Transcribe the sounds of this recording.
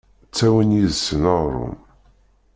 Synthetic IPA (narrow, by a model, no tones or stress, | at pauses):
t͡sːæwənjiðsːənəʁɾˤṵm